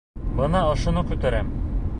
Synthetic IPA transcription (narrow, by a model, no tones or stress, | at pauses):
bɤ̆nɑŏʃŏnɤqʉt̪æɾæm